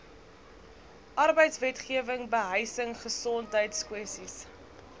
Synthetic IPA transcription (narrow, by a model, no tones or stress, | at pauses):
ʔɐrbəjtsvɛtχiəvəŋbəɦəjsəŋχəsɔntɦəjtskwɛsis